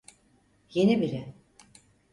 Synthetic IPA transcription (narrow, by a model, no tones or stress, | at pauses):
je̞nibiɾɛ